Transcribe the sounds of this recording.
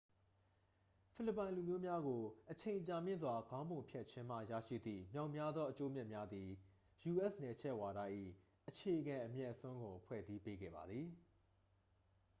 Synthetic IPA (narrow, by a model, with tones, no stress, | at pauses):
pʰɪ˦˨lə˨pːã˨ɪ̃lu˨mjo˦mja˦ɡo˨ʔət͡ɕʰẽ˨ɪ̃t͡ɕa˨mjɪ̰̃˦˨nzwa˨ɡã˦ʊ̃mbõ˨mpʰjɛ˦ʔt͡ɕʰɪ̃˦m̥a̰˦˨ja̰˦˨ʃḭ˦˨d̪ðḭ˦˨mjã˨ʊ̃mja˦d̪ðɔ˦ʔət͡ɕo˦mjɛ˦ʔmja˦d̪ði˨ | ju˨ʔɛ˦˨snɛ˨t͡ɕʰɛ˦ʔwa˨da˦ʔḭ˦˨ | ʔət͡ɕʰe˨ʔəɡã˨ʔəmjɛ˦ʔəsõ˦ŋɡõ˨pʰwɛ̰˦˨zi˦pe˦ɡɛ̰˦˨ba̰˨d̪ði˨